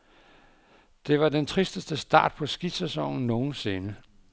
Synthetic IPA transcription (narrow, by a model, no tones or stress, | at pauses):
d̥e̝ʋɑ̈d̥ent͡sʰʁisd̥əsd̥əsd̥ɑ̈ːd̥̚pʰɒ̽sɡ̥id̥sesɒŋ̰n̩no̝ːn̩se̝nə